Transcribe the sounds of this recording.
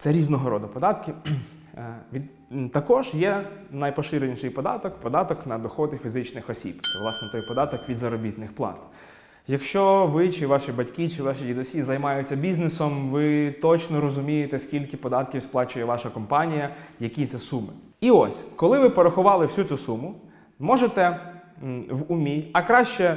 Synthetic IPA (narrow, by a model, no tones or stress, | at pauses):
t̪sɛɾʲiznɔɦɔɾɔd̪ɐpɔd̪ɑt̪kʲɪ | ʋʲi | t̪ɐkɔʒjɛnɐjpɔʃɪɾenʲiʃɪjpɔd̪ɑ̰t̪ɔkpɔd̪ɑt̪ɔknɐd̪ɔxɔd̪ɪfʲizɪt͡ʃnɪxɔsʲḭbt͡ʃ̪ɛ̰ʋlˠɑsnɛt̪ɔjpɔd̪ɑt̪ɔkʋʲid̪zɐɾɔbʲit̪nɪxplˠɑ̰t̪ | jɐkʃt͡ʃɔʋɪt͡ʃɪʋɑʃibɐtʲkit͡ʃɪʋɑʃidʲid̪ɔsʲizɐjmɑjʊt͡sʲːɐbʲiznesɔmʋɪt̪ɔt͡ʃnɔɾɔzʊmʲijet̪ɛsʲkʲilʲkɪpɔd̪ɑt̪kʲiwsplˠɑt͡ʃʊjɛʋɑʃɐkɔmpɑnʲijɐjɐkʲit̪sɛsumɪ̰ | iɔsʲkɔlˠɪʋɪpɔɾɐxʊʋɑlˠɪwsʲut̪ʲusumʊ | mɔʒet̪ɛ | ʋʊmʲiɐkɾɑʃt͡ʃɛ